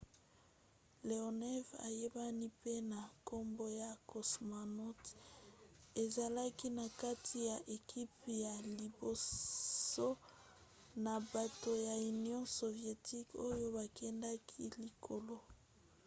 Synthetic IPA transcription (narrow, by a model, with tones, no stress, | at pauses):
le˨o˨nɛ˦va̰˨je˦ba˦ni˦pe˦na˨ko˦mbo˦ja˨ko˨sma˨nɔ˦t | e˨za˨la˦ki˦na˨ka˦tʰi˨ja˨ʔe˨kʰi˦pja˨li˨bo˨so˦ | na˨ba˨to˨ja˨y˨njɔ̃˦so˨vje˨ti˦ko˦jo˦ba˨kʰɛ˦nda˦kʰi˦li˨kʰo˨lo˦